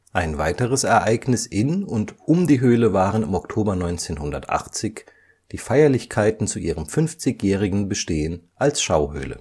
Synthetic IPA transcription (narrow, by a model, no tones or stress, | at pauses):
ʔaɪnvaɪtəʁ̞əsɛɐʔaɪɡnɪsʔɪnʊntʔʊmdiːɦøːləvaːʁənɪ̰mɔktʰoːbɐnɔʏnt͡seːnɦʊndɐtʔa̰χt͡sɪç | d̥iːfaɪɐlɪçkʰaɪtn̩t͡suʔiːʁ̞əmfʏnft͡sɪçjɛːʁ̞ɪɡŋ̩bəʃteːənʔalsʃaʊhø̰ːlə̰